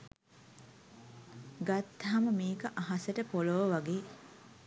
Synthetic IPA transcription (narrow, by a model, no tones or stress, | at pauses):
ɡat̪ːaɦaməmiːkəʔaɦaseʈəpoloʋəʋaɡeː